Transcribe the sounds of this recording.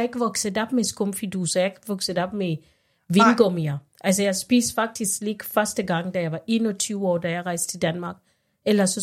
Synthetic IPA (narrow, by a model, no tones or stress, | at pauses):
e̝ɡ̥əʋɒ̽ɡ̥səɒb̥mesɡ̥ɔmfid̥usɒjɑe̝ɡ̥ʋɔɡ̥səɒb̥me | ʋinɡ̥ɔmiɐ | ʔælsəjɑ̈ɪsb̥ḭːsfɑ̈ɡ̥̚d̥isɡ̥leɡ̥fɶɐsd̥əɡ̥ɑ̈ŋ̰d̥æjɑ̈ɪʋɑ̈ʔe̝ːnɒt͡sʰyːʊɒ̰ːd̥æjɑ̈ɪʁɑ̈ɪsd̥t͡sʰe̝ld̥ænmɑ̈ɡ̥ | elɐsɒ